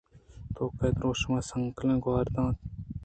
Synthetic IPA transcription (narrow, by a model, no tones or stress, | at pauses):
t̪oːked̪ɾoːʃmɐsɐŋklẽɡwɑːɾd̪ɑ̃ːt̪